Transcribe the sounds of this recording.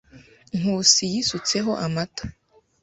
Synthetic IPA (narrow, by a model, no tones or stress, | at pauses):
ŋ̥uːsijisut͡se̞ɦo̞ʔamato̥